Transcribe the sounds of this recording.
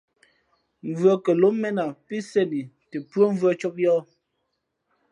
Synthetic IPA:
ɱ˨vɰə˦kə˨lo˨˦mɛ˦na˨pi˦sɛ˦˨ni˨te˨pwo˦ɱ˦və˦t͡ʃɔ˦p̚jɔ˦

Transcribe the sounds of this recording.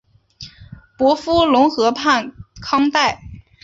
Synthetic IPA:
pwɔ˧˥fu˥lʊ˧˥ŋxɤ˧˥pʰa˥˩nkʰɑ˥ŋt̪a˥˩ɪ

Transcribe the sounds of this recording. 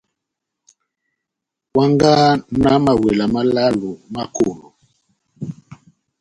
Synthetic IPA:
kwa˦ŋɡa˦na˦ma˨we˨la˨ma˦la˦lo˨ma˦ko˦˨lo˨

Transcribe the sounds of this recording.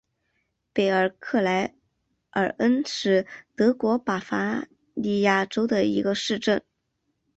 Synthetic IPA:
pe˨˩ɪə˞˨˩kʰɤ˥˩la˧˥ɪ | ʔə̰˞˨˩ə˥nʂɻ̩˥˩t̪ɤ˧˥kwɔ˧˥pa˨˩fa˥ | li˥˧ja˥˩ʈ͡ʂo˥ʊd̪ə˨i˧˥ɡə˧ʂɻ̩˥˧ʈ͡ʂə˥˩n

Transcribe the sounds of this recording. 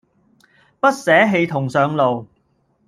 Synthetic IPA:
pɐ˥t̚sɛː˨˥ɦe˧jt̪ʰʊ˨˩ŋsœː˨˧ŋlo˨w

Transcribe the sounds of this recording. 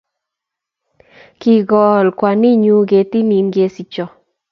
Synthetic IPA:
ki˨ɡɔ˨lkwa˨ni˦ɲu˦ɡe˨ti˦ni˨nɡe˦si˨t͡ʃɔ˨

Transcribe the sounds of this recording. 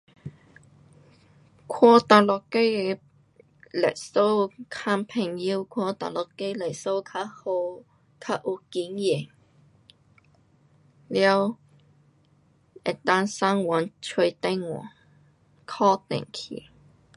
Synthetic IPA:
kʰɔ˧t̪a˨˩lɔ˨kːe˥j | lɛ̰˨˩so˥wkʰa˧mpʰe˨˩ŋji˧˥wkʰɔ˧t̪a̰˨lɔ˨kːe˥jle˨˩so˥wkʰa˧˥ho˧w | kʰa˧˥ʔu˧˥ki˨˥njɛ˨˩ŋ | ljɛ˥˧˥w | ɛ̰˨˩t̪a˥nsa˥ŋwa˨˥nt͡ʃʰɵ˧t̪e˥ŋwɔ̰˨˩˦ | kʰɔ˥t̪ɛ̰˨˩ŋkʰḭ˨˩

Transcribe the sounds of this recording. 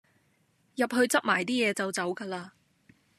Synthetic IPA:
jɐ˨p̚ɦɵ˧ɥt͡sɐ˥p̚maː˨˩jt̪iː˥jɛː˨˧t͡sɐ˨wt͡sɐ˨˥wkaː˧laː˧

